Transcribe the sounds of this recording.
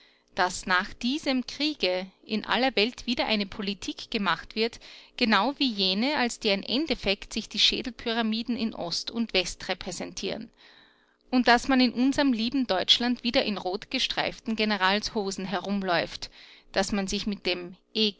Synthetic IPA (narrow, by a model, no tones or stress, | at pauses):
d̥asnaːχd̥iːzəmkʁ̥iːɡəʔɪnʔa̰lɐvɛltv̥iːdɐʔa̰ɪnəpʰolitʰiːkɡ̥əmaχtv̥ɪɐtɡ̥ənaʊviːjeːnəalsd̥eːɐɪmʔɛ̰ndɛfɛktz̥ɪçd̥iːʃḛːdl̩pʰyʁamiːdn̩ɪnʔɔ̰stʊntv̥ɛstʁepʁ̥ɛzɛntʰḭːʁən | ʔʊnt̚d̥asmanɪnʔʊnzɐʁəmliːbm̩dɔʏt͡ʃlantv̥iːdɐʔɪnʁoːtɡ̥əʃtʁ̥a̰ɪftn̩ɡenəʁaːlshoːzn̩ɦɛɐʁʊmlɔʏftd̥asmanzɪçmɪt̚d̥eːmʔeː